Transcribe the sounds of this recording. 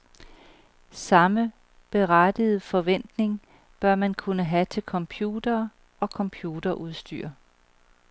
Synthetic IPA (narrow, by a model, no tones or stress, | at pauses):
sɑ̈mə | b̥e̝ʁad̥ið̞ˠəfɒ̽ʋen̰d̥ne̝ŋ | b̥ɶɐmænkʰunəɦæt͡sʰe̝lkʰɒ̽mpʰjuːd̥ɐː | ʔɒ̽kʰɒ̽mpʰjuːd̥ɐʔuð̞ˠsd̥y̰ɐ̰